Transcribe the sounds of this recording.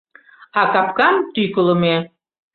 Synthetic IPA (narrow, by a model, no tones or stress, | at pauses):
ɑkɑpkɑmt̪ykələme